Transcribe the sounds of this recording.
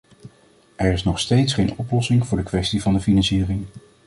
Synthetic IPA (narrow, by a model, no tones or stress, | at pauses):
ʔɛɹɪsnɔχstejtsχejnɔplɔsɪŋvʊːɹdəkʋɛstivɑndəfinɑnsiːrɪŋ